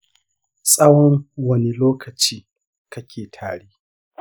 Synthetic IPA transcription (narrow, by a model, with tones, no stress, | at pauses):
sʼɐ˦wɔ˦nwɐ˦ni˨loː˦kʰɐ˨t͡ʃiː˦ | kɐ˦kʲʰeː˨tʰaː˨ɽiː˦